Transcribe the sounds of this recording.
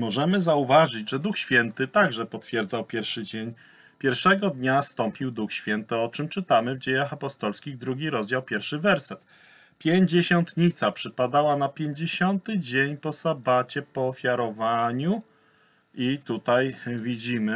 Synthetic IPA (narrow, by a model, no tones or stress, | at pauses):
mɔʐɛmɘzauvaʐɘd͡ʑʐɛd̪uxɕfʲjɛnt̪ɘt̪aɡʐɛpɔt̪fʲjɛɾd̪zawpʲjɛɾfʂɘd͡ʑeɲ | pʲjɛɾfʂɛɡɔd̪ɲast̪ɔmpʲiwd̪uxɕfʲjɛnt̪ɘɔt͡ʂɘmt͡ʂɘt̪amɘvd͡ʑejaxapɔst̪ɔlskʲiɣd̪ɾuɡʲiɾɔzd͡ʑawpʲjɛɾfʂɘvɛɾsɛt̪ | pʲjeɲd͡ʑeɕɔnt̪ɲit̪sapʂɘpad̪awanapʲjeɲd͡ʑeɕɔnt̪ɘd͡ʑeɲpɔsabat͡ɕɛpɔːfʲjaɾɔvaɲu | it̪ut̪ajvʲid͡ʑimɘ